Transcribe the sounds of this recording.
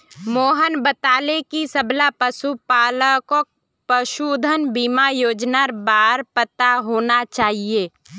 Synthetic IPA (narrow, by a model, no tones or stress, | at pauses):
moːɦənbət̪aːlekisəblapəsupaːləkok̚ | pəʃud̪ʱənbimajoːd͡ʒnaɾbaːɾpət̪aɦoːnat͡ʃaːɦieː